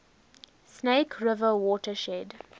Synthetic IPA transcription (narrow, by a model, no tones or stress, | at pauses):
sneɪkʰɹɪvəwɔːtəʃɛd